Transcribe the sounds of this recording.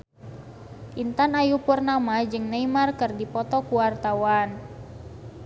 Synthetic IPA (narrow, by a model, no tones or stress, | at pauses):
ʔint̪anajupurnamad͡ʒɨŋnaimarkɨrdipɔt̪ɔkuwart̪awan